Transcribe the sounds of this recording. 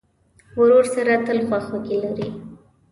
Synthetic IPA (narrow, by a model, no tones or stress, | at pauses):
wɾoɾsaɾat̪əlxwaxokelaɾi